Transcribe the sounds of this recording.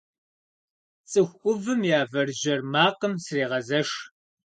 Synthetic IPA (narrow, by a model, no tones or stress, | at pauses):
t͡sʼɨxʷʊvɨmjaːvɐrʒɐrmaːqəmsreːʁɐzɐʂ